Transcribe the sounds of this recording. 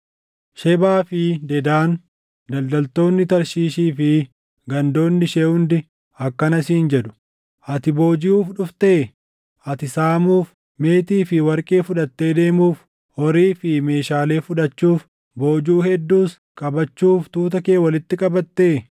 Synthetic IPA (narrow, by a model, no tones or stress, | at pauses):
ʃɛbaːfɪd̪ɛd̪aːn | d̪ɐld̪ɐlt̪o̞ːnːɪt̪ɐɾʃiːʃiːfɪ | ɡɐnd̪o̞ːnːɪʃeːhʊnd̪ɪ | ɐkːɐnɐsiːnd͡ʒɛᶑʊ̥ | ʔɐt̪ɪbo̞ːd͡ʒɪuːfᶑʊft̪e̞ː | ʔɐt̪ɪsaːmuːf | me̞ːt̪iːfɪwɐɾkʼeːfʊᶑɐt̪ːe̞ːd̪e̞ːmuːf | ɔɾiːfɪme̞ːʃaːle̞ːfʊᶑɐt͡ʃːuːf | bo̞ːd͡ʒuːhɛd̪ːuːs | kʼɐbɐt͡ʃːuːft̪uːt̪̬ɐke̞ːwɐlɪt̪ːɪkʼɐbɐt̪ːe̞ː